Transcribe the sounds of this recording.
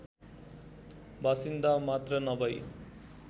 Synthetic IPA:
basind̪amat̪rʌnʌbʌj

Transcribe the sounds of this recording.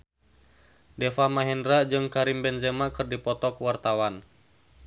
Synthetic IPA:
dɛfamaɦɛndɾad͡ʒɨŋkaɾimbɛnzɛmakɨrdipɔt̪ɔkwart̪awan

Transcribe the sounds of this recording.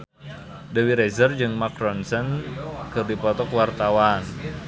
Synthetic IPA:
dəwiɾɛzərd͡ʒɨŋmakɾɔnsənkɨrdipɔt̪ɔkuwart̪awan

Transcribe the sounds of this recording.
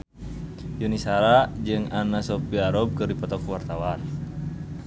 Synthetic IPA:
junisaɾad͡ʒɨŋanasɔpiaɾɔb̚kɨrdipɔt̪ɔkwart̪awan

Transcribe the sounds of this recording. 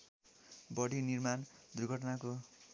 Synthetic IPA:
bʌɽinirmand̪urɡʱʌʈʌnako

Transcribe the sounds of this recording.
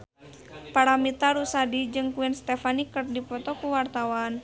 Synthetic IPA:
paɾamit̪aɾusadid͡ʒɨŋkuɛnst̪ɛfanikɨrdipɔt̪ɔkuwart̪awan

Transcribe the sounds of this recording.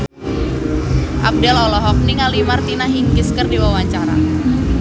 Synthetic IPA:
ʔa̰p̚dɛlɔlɔɦɔk̚niŋalimart̪inaɦiŋkiskərdiwawaɲt͡ʃaɾa̰

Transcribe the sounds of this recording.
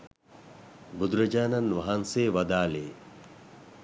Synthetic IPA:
bud̪ɾɐd͡ʒaːnɐnʋɐɦanseːʋɐd̪aːleː

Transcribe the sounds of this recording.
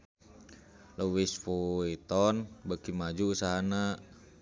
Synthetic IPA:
luwisfuit̪ɔnbakimad͡ʒuːsaɦana

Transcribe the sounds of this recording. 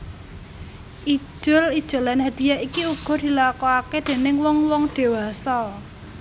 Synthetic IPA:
ʔi̥ʒ̥ʊlid̥ʒ̥o̤lanhad̪̥i̤jaikiuɡ̥ɔ̤d̪̥i̤lakɔaked̪̥e̤nɪŋwɔŋwɔŋd̪̥e̤wasɔ

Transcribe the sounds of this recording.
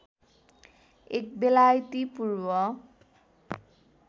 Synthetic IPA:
ek̚belajt̪ipurbʌ

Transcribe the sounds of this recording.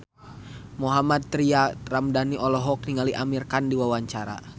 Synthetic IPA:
mɔɦamat̪̚ːɾiaramdaniʔɔlɔɦɔk̚niŋaliʔamirkandiwawaɲt͡ʃaɾa̰

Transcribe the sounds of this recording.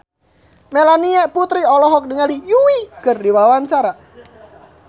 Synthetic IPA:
melaniɛʔput̪ɾiɔlɔɦɔk̚dəŋalijuwikərdiwawaɲt͡ʃaɾa

